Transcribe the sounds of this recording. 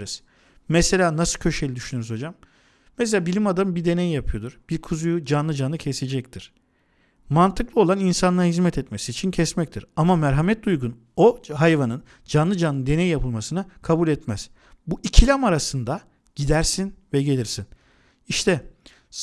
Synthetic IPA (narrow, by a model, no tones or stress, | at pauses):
ɾɯz̥ | mɛse̞lʲaːnasɯcʰø̞ʃe̞jlʲid̪yʃynyɾyzo̞d͡ʒamː | ɛselʲaːbilʲimad̪ambiɾd̪e̞nejijapʰɯjo̞d̪uɾ̥b̥iɾkʰuzujud͡ʒanlˠɯd͡ʒanːˠɯcʰɛsed͡ʒɛct̪ʰiɾ̥ | mant̪ʰɯklˠɯo̞lˠaninsanlˠaɾɦizmɛt̪ʰɛt̪me̞siːt͡ʃʰincʰɛsmɛc̚t̪ʰiɾamamæɾɦamɛt̪̚d̪ujɡun | oɦajvanɯn | d͡ʒanlˠɯd͡ʒanːɯnd̪e̞nejijapʰɯlˠmasɯnakʰabulʲɛt̪mɛz̥ | buʔicʰilʲamaɾasɯnd̪a | ɟ̥id̪æɾsinvɛɟe̞lʲiɾsin | iʃt̪ʰɛ